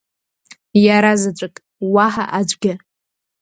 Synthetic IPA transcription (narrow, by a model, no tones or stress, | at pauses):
jaɾazat͡ʃʷʼakʼ | waħa̰ʔad͡ʒʷʼɡʲɪ